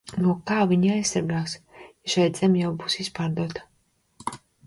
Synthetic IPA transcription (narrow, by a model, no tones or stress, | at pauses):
nuɔkaːviɲiajssaɾɡaːsʃajd̪zɛmʲjawbuːsispaːɾd̪uɔt̪ḁ